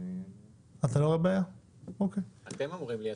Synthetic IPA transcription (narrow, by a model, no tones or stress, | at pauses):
at̪aloʁebaaja | okejat̪emamʁimli